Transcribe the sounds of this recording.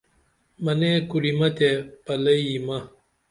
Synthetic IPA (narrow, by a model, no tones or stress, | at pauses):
mɐnekuɾimɐt̪epɐlɐjimɐ